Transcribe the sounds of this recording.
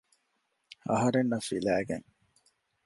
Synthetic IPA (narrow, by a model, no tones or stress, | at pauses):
ɐ̰ɦɐɾenːɐfilæːɡḛŋ